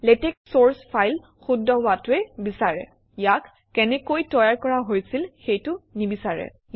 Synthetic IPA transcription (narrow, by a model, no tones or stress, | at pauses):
lɛtɛk̚soɹspʰajl | xudːɔwatʊɛbisaɹɛ̰ | jakː | ɛnɛkojtɔjaɹkɔɹaɦojsilxejtʊnibisaɹɛ̰